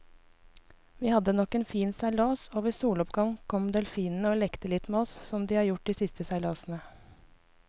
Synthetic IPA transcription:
ʋiːhɑd̪ənɔkeːnfiːnsæɪloːsoːʋəsuːlɔpɡɑŋkʰɔmd̪ɛlfiːnn̩əoːlɛkt̪əlɪt̪meːɔssɔmd̪iːhɑːɾjʊʈ̚d̪iːsɪst̪əsæɪloːsn̩ə

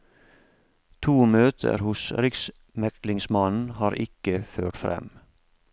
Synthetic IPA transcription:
t̪ʰuːmøːt̪ʰə̰ɾhʊsɾɪks | mɛklɪŋsmɑnnn̩hɑːɾʔɪ̰kəføːʈfɾɛ̰m

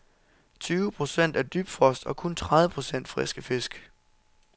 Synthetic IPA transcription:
t͡sʰyːʊəpʰʁo̝sen̰d̥æɐd̥yːb̥d̥fʁɒ̽sd̥ɒ̽kʰɔ̽nt͡sʰʁaðˠʋəpʰʁo̝sen̰d̥fʁɛsɡ̥əfe̝sɡ̥

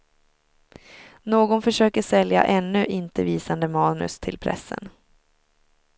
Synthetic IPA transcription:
noːɡɔnfœʂøːkəʂɛlja̰ʔɛnːɵʔɪnt̪əviːsand̪əmɑːnɵ̰st̪ʰɪlpʰɾɛ̰sːə̰n

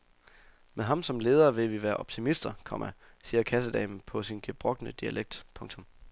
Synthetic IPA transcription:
meɦɑ̈msɒ̽mle̝ːð̞ˠɐʋe̝ʋiʋæːɐʔɒ̽b̥t͡sʰimisd̥ɐkʰɒ̽mæ | siːɐkʰæs̬əd̥ɛ̰ɪn̩pʰɒ̽sinɡ̥eb̥ʁɔ̽ɡ̥nəd̥iælʔeɡ̥̚d̥pʰɔ̽ŋt͡sʰɔ̽m

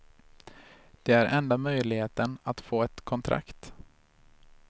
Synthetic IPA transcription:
d̪̥ɛæɾʔɛnd̪amœjlɪheːt̪ənat̪foːɛt̪kʰɔnt̪ʰɾa̰kt̪

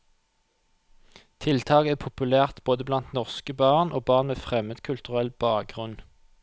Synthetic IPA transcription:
t̪ʰɪlt̪ʰɑːkəæːpʰʊpʉlæːʁt̪boːd̪əblɑnt̪nɔʁskəbɑːʁnʔoːbɑːʁnmeːfʁɛməd̪kʰʉlt̪ʉʁɛlbɑːk̚ɡʁʉn

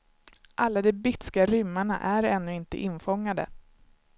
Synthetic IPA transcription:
ʔalːad̪ɛbɪt̪skaɾʏmːaɳa̰ʔæɾɛnːɵɪnt̪ə̰ʔɪnfɔŋːad̪ə̰

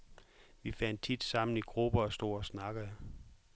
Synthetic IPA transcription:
ʋifæn̰d̥̚t͡sʰid̥sɑ̈m̰n̩iɡ̥ʁub̥ɐɒsd̥o̝̰ɒsnɑ̈ɡ̥əə

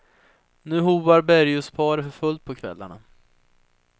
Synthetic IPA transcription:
nʉ̟ːɦuːvaɾbæɾjʊspʰɑːɾəfœɾfɵlt̪̚pʰɔkʰvɛ̰lːa̰ɳa̰

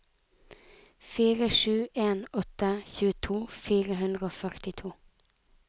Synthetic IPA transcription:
fiːɾəʃʉːʔeːnɔt̪əçʉːət̪ʰuːfiːʁəɦʉnd̪ʁəoːfœʁt̪ɪt̪ʰuː

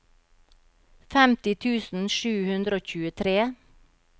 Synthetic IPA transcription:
fɛmt̪ɪt̪ʰʉːsn̩ʃʉːhʉnd̪ɾəoːc͡çʉːət̪ʰɾeː

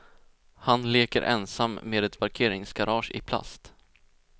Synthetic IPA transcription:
hanleːkəɾʔɛ̰nsamːeːd̪ɛt̪paɾkʰeːɾɪŋsɡaɾɑːʂɪ̰pʰla̰st̪

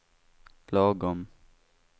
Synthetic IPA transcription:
pʰlɑːɡɔm

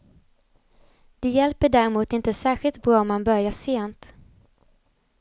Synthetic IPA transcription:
d̪̥ɛjɛlpəɖæɾɪmuːt̪ɪnt̪əsæːɾɧɪlt̪̚bɾɑːɔmːanbœɾjaʂeːnt̪

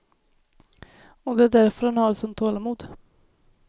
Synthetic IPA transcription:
ɔd̪ɛæd̪æɾfœɾhanhɑːɾsɔnt̪ʰoːlamuːd̪

